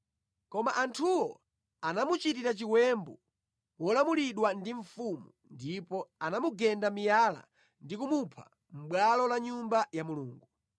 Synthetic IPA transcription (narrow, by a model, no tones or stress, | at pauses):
kɔmaʔantʰuwɔ | anamut͡ʃitiɾat͡ʃiwɛmbɔ | wɔlamuliɗwandiɱfumu | ndipɔanamuɡɛndamijala̰ | ndikumupʰa̰ | m̩ɓwalɔlaɲumbajamuluːŋɡu